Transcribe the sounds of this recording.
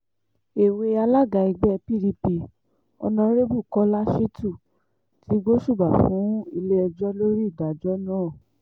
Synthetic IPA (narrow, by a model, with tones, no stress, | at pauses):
e˨we˧a˧la˦ɡa˧˨i˧ɡ͡bɛ˦˧pi˦˨li˧pi˧˨ | ɔ̰˧nã˧˦ɾe˦bu˦˨kɔ˦la˦ʃi˦tu˦˨ | tʰi˨˦ɡo˦ʃu˦˨ba˨fũ˨˦i˧le˦ɔ˧d͡ʒɔ˦lo˦ɾi˦˨da˨d͡ʒɔ˦nãː˦˨